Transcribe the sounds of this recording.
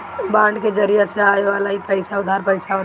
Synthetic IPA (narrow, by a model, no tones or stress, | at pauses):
bãːɳɖked͡ʒɐɾijeseaːeʋaːlaɦipəɪsaʊd̪ʱaːɾpəɪsao